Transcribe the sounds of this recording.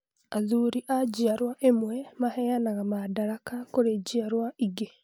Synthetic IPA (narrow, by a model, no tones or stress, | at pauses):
aðuɾiʔad͡ʒiaɾwaʔemwɛmahɛjanaɣamadaɾakakoɾed͡ʑiaɾwaiɡe